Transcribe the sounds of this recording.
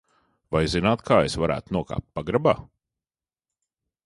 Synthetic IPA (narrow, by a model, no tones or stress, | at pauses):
vajzinaːt̪kʰaːesvaɾæ̰ːt̪unuɔka̰ːp̚t̪̚paɡɾaba̰ː